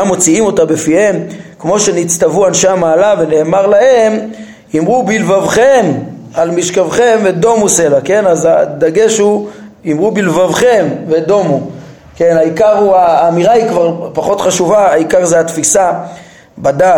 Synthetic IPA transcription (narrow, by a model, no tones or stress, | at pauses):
amːo̞t͡siimo̞tabefihe̞mkmo̞ʃe̞nit͡st̪avuanʃeamaːlave̞ne̞ːmaʁlahe̞m | imʁubilvavχe̞m | almiʃkavχemved̪o̞muse̞lake̞nazad̪aɡe̞ʃuimʁubilvavχe̞mved̪o̞mu | ke̞naikaʁhuaːmiʁaikvaʁpaχo̞t̪χaʃuvaːikaʁzeat̪fisa | bada